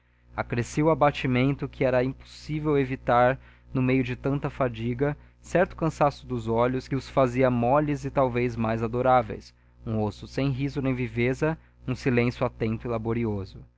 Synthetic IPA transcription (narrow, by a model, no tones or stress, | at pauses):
akɾesewabat͡ʃimẽnt̪ʊkʰɪɛɾɐĩpo̥sivewevit̪aɾ | nʊmejʊd͡ʒɪt̪ɐ̃nt̪ɐfad͡ʒiɡɐ | sɛɾt̪ʊ̥kɐ̃sasʊd̪ʊzɔʎʊskɪʊsfaziɐmɔʎɪzɪt̪awvejzmajzad̪oɾavḛjs | ũosʊsẽj̃ɦizʊnẽj̃vivezɐ | ũsilẽsjʊat̪ẽnt̪ʊilaboɾiozʊ